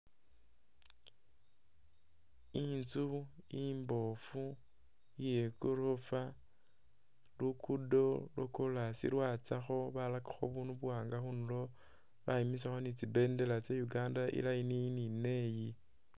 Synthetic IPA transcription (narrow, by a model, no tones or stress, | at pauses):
int͡su | imbo̞fu | jekuɾofa | lukudo̞lokulasḭlwaːt͡saxo̞βalakḁxo̰βunuβuwaːŋɡaxunulo̞ | βaimisaxo̞nit͡sibe̞nde̞lat͡sejuɡaːndaʔḭlainiinine̞ji